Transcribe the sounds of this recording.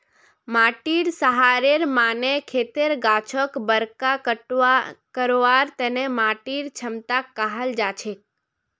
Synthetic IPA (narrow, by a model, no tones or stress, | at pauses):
maʈiɾsəɦaɾeɾmanekʰet̪eɾɡat͡ʃʰəkbəɾkakəʈkəɾoʋaɾt̪enemaʈiɾt͡ʃʰəmt̪akːaɦəld͡ʒat͡ʃʰek̚